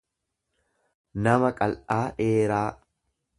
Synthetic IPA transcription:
nɐmɐkʼɐlʔaːᶑeːɾaː

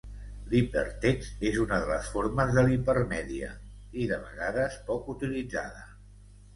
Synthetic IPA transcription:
lipə̰ɾt̪ɛksezunəðələsfoɾməzðəlipəɾmɛðiə̰ | iðəβ̞ə̰ɣaðəspɔkut̪ilid͡za̰ðə

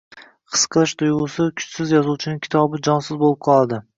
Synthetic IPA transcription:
qʰɨ̥sqʰɨlˠɪʃt̪ʰʊjʁʊsɪkʰʊ̥t͡ʃsɪzjɒzuwt͡ʃʰɪnɪŋʲkʲʰɪ̥t̪ʰɒbɪd͡ʒɒnsɪzbolˠɪp̚qʰɒlˠad̪ɪ

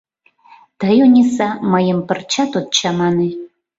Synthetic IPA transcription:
t̪əjonʲisaməjəmpə̆rt͡ɕat̪ot̪̚t͡ɕamɑne

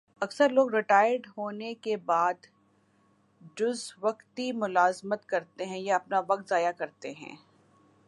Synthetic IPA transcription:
ɐksəɾloːɡɾɪʈaːjəɾɖɦoːnekebaːd̪ | d͡ʒʊzʋɐqt̪imʊlaːzmət̪kɐɾt̪eɦɛ̃jaɐp̚naʋɐk̚t̪zaːjakɐɾt̪eɦɛ̰̃ː

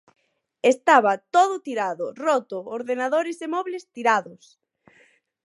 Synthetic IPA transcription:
est̪aβat̪oðʊt̪iɾaðʊrɔt̪ʊoɾðenaðoɾɪsemɔβlest̪iɾaðʊs

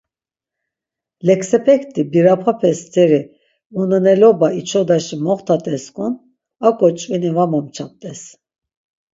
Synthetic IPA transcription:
lɛksɛpʰɛkʰt̪ʰʼibiɾapʰapʰɛst͡s̪ʰɛɾi | unənɛlɔbait͡ʃʰɔd̪aʃimɔχt̪ʰat̪ʼɛskʰʼun | akʼɔt͡ʃʼvinivamamt͡ʃʰap̚t̪ʼɛs

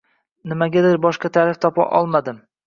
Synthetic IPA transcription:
nɪmaɡʲad̪ɪɾbɒʃqɑt̪ʰaɾɪft̪ʰɒpa̰ʔɒlˠmad̪ɪm

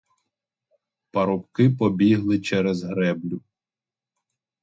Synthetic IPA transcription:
pɐɾɔpkɪpɔbʲiɦlˠɪt͡ʃɛɾɛzɦɾɛblʲʊ

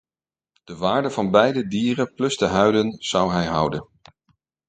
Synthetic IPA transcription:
d̥əʋaːɹdəvɑnbɛjdədiːrəplɵsdəɦœɥdənz̥ʌwɦɛjɦʌwdən

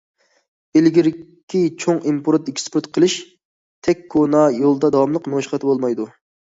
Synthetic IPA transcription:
elɡʲiɾ | kʲʰːit͡ʃʰoŋimpʰoɾut̪ikʲʰspuɾt̪qʰəlˠɪʃ | t̪ʰɛkʲkʰːonɑjolˠd̪ɑd̪ɑwɑmlˠəqmʃχɑt̪ʰɨbolˠmɑjd̪u

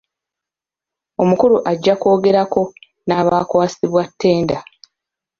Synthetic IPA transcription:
o̞mukuɾuʔaɟːako̞ːɡe̞ɾako̞ | naːβaːkwaːsiβwatːe̞ːnda

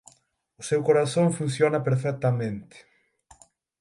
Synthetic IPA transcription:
ʊsewkoɾaθõɱfun̟θjonɐpeɾfɛk̚t̪amẽnt̪ɪ̥

